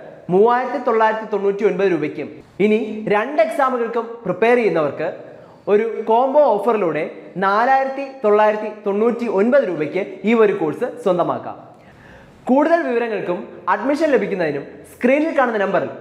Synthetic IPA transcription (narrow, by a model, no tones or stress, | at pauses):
muːaːjiɾɐt̪ːit̪o̞ɭːaːjiɾɐt̪ːit̪o̞ɳːuːtːio̞nbɐðɨɾuːbɐkʲːum | iniɾeɳɖe̞ksaːmɨɣɐɭkumprɨpːe̞ːrejunːɐʋɐrkɨ | o̞ɾuko̞ːmbo̞oːfɐriluːɽe̞naːlaːjiɾɐt̪ːit̪o̞ɭːaːjiɾɐt̪ːit̪o̞ɳːuːtːionbɐðɨɾuːbɐkʲːɨiːʋɐɾukoːɭsɨswɐnd̪ɐma̰ːkːa̰ | kuːɽuðɐlʋiʋɐɾɐŋːɐɭkumɐɖmiʂɐnle̞bʱikʲːunːɐðinumskriːnilkaːɳunːɐnɐmbɐrḭl